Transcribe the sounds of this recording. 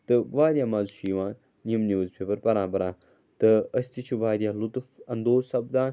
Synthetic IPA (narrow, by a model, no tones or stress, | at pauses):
t̪ɨʋaːɾjaːmaːzuʃiːʋãː | niəmnjuːzpʰʲeːpɐɾpɐɾãːpɐɾãː | t̪ɨɐsʲt̪it͡ʃʰiʋaːɾijaːlʊt̪fɐnd̪oːzsɐbd̪ãːn